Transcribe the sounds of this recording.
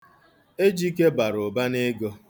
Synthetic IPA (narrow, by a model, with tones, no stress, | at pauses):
e˦d͡ʒi˦ke˦ba˨ɾo˨ba˦ne˦ɡo˦